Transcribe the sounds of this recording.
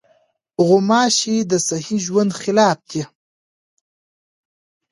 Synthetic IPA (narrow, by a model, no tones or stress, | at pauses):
ɣʊmɑːʃid̪əsahiʒwand̪xɪlɑːp̚d̪e